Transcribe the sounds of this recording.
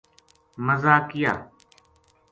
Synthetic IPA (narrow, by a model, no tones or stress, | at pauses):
məzaːkɪja̰ː